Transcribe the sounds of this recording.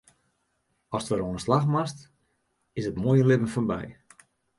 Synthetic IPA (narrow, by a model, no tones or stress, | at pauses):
ɔstʋəɾoənənslaxmast | ɪsətmoːjəlɪpənfɔnbɛ̰j